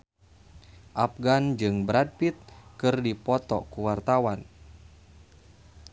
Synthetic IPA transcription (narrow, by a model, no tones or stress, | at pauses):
ʔap̚ɡand͡ʒɨŋbɾad̚pit̪̚kɨrdipɔt̪ɔkuwart̪awan